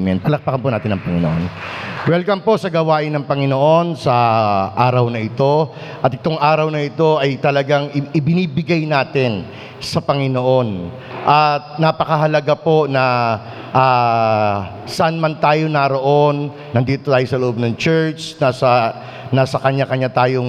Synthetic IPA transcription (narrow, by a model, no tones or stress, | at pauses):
mɛnt̪̚kɐlɐk̚pɐkampʊnaːt̪ɪnɐŋpɐŋɪno̰ʔonwɛlkɐmpo̞sɐɡɐwaːʔɪnːɐŋpɐŋɪno̞ʔo̞nsɐʔaːɾɐwnɐʔɪt̪o̞ | ʔɐt̪ɪt̪o̞ŋʔaːɾɐwnɐɪt̪o̞ʔɐjt̪ɐlɐɡaŋɪɪbɪniːbɪɡajnaːt̪ɪn | sɐpɐŋɪno̞ʔo̞n | ʔɐt̪̚nɐpɐkɐɦɐlɐɡapo̞nɐ | ʔa | sɐʔanmɐnt̪aːjo̞nɐɾo̞ʔo̞nː | ɐnd̪iːt̪ot̪aːjo̞sɐloʔo̞b̚nɐŋt͡ʃɛɹt͡ʃnasɐ | naːsɐkɐɲakɐɲat̪aːjoŋ